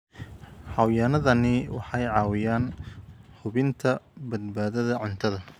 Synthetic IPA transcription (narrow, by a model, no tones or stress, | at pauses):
ħɑwjaːnɐðɐnɪwɑħɑjʕɑːwɪjaːnhʊβɪnt̪ʰɐbɐd̪̚baːðɐðɐʕʊnt̪ʰɐðɐ